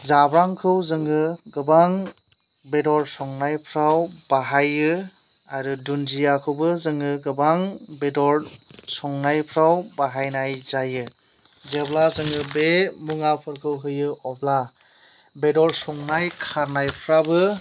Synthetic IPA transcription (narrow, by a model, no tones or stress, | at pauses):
zabɾaŋkʰɯwzɯŋɯɡɯbaŋ | bedɔɾsɔŋnajpʰɾawbaɦajɯ | aɾudunzijakʰɯwbɯzɯŋɯɡɯbaŋbedɔɾsɔŋnajpʰɾawbaɦajnajzajɯ | zeblazɯŋɯbemuŋapʰɯɾkʰɯwɦɯjɯʔɔbla | bedɔɾsɔŋnajkʰaɾnajpʰɾabɯ